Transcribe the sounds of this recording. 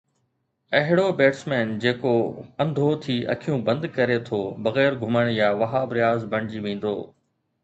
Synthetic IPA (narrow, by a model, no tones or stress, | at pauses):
ɐɦɪɽobeːʈsmɛːnd͡ʑeːkoɐ̃nd̪ʱot̪ʰiːʔɐ̰kʰijũːbɐ̃nd̪kɐɾet̪ʰoːbɐɣɛːɾɡʱʊməɽ̃jaːʋɐɦaːbɾɪjaːzbɐ̃ɳ̃d͡ʑiʋĩːn̆d̪o̰ː